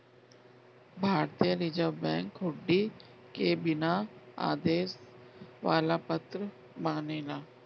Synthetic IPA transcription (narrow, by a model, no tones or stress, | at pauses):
bʱaːɾt̪ijəɾiːd͡ʒəbɛ̃ːŋkɦʊɖːi | kebɪnaa̰ːd̪eːsʋaːlapɐt̪ɾə | maːneːlaː